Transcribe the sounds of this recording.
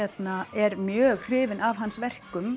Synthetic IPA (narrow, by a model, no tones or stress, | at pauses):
ɛt̪naɛɾmjœːɣr̥ɪːvɪnavɦansvɛr̥kʏm